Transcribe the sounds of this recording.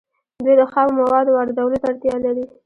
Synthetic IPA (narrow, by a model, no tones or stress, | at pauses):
d̪ujd̪əxɑmmawɑd̪waɾd̪awəlot̪aɽt̪jɑlaɾi